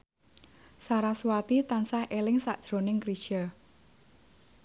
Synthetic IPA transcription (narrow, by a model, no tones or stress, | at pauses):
saɾaswat̪it̪ansahʔelɪŋsaʔd̥ʒ̥ɾo̤nɪŋkɾit͡ʃə